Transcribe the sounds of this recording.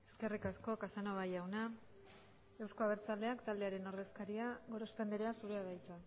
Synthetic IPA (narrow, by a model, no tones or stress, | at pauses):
eske̞rikasko̞kasanoβajawna | e̞wsko̞aβ̞e̞ɾt͡sald̪e̞akt̪ald̪e̞aɾe̞no̞ɾðe̞skaɾiaɣo̞ɾo̞spe̞nd̪eɾeasuɾeaðajt͡sa